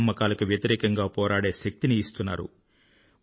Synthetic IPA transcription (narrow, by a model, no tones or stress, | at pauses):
mːɐkaːlɐkuʋjɐt̪iɾɛːkɐŋɡaːpɔːɾaːɽe̞ːʃɐk̚t̪iniːst̪unːa̰ːɾṵ